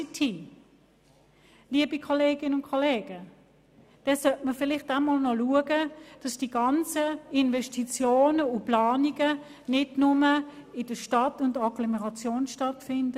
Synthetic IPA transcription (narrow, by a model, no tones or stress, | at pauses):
tʰiː | liəbikʰɔleːɡɪnəʊnkʰɔleːɡ̥ə | d̥ɛsœtməfɪlɪχtamɔlnɔluəɡəd̥ɑsd̥iɡɑnt͡səɪnvɛʃtit͡sjoːnəuplaːniɡə | nɪdnʊməɪd̥əʃtɑtʊndɑɡlɔmɛʁɑt͡sjoːnʃtɑtfɪndə